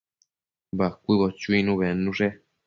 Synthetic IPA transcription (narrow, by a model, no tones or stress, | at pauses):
bakʷiβɔt͡ʃuinũβɛnũʐɛ